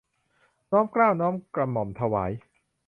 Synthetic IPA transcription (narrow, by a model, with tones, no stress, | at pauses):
nɔː˦˥mklaː˥˩wnɔː˦˥mkɾa˧mɔ˩mt̪ʰa˧waː˩˦j